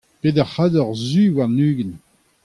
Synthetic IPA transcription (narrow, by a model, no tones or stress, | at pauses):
ped̪aʁhad̪ɔʁzywaʁnyːɡən